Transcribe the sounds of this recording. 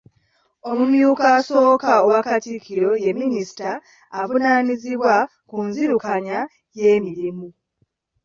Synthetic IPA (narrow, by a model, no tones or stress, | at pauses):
o̞mumjuːkaso̞ːkaowakatikʰːiɾo̞je̞mːinisi̥taː | vunaniziβwa | kunziɾukaɲa | je̞ːmiɾimu